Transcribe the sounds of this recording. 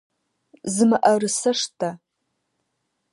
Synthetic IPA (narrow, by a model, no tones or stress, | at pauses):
zɨmɨʔɐrɨsɐʂtʰa